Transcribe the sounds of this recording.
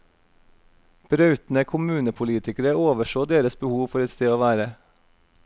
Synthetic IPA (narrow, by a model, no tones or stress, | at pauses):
b̥ɾɑʉt̪n̩əkʰʊmʉːnəpʰʊliːt̪ɪkəɾəoːʋəʃoːd̪eːɾəsbəhuːʋfɔɾɛt̪st̪eːoːʋæːɾə